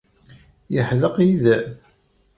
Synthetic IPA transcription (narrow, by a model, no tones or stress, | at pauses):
jəħðəqiðæ